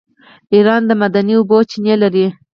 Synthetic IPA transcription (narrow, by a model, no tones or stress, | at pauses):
iɾɑnd̪əmad̪aniʊbot͡ʃinjelaɾi